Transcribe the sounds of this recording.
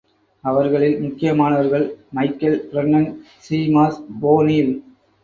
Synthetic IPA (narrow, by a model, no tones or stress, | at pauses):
ɐʋɐɾɣɐɭɪlmʊkːɪjɐmaːnɐʋɐɾɣɐɭmɐɪkːɐlɾɛnːɐn | siːmaːsboːniːl